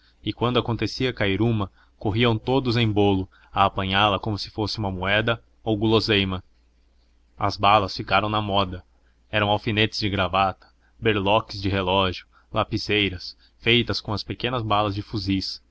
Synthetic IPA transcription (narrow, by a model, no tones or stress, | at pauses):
ɪkwɐ̃nd̪ʊakõnt̪esiɐkaiɾũmɐ | koɦiɐ̃w̃t̪od̪ʊzẽj̃bolʊ | ɐːpɐ̃ɲalɐkõmʊsɪ̥fosɪũmɐmuɛd̪ɐ | owɡulozejmɐ | ɐ̰zbalɐsfikaɾɐ̃w̃nɐmɔd̪ɐ | ɛɾɐ̃w̃awfinet͡ʃɪzd͡ʒɪɡɾavat̪ɐ̥ | beɾlɔkɪzd͡ʒɪɦelɔʒjʊ | lapizejɾɐs | fejt̪ɐskõw̃ɐspekẽnɐzbalɐzd͡ʒɪfuzis